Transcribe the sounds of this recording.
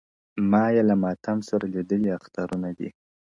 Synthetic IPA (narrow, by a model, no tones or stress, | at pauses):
mɑjelamɑt̪ʰamsaɾalid̪əliaxt̪ɑɾunad̪ḭ